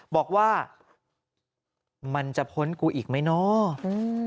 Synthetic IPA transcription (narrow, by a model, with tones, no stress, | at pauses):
bɔː˨˩k̚waː˥˩ | ma˧nt͡ɕa˨˩pʰo˦˥nkuː˧ʔiː˨˩k̚ma˥˩jnɔ˦˥˧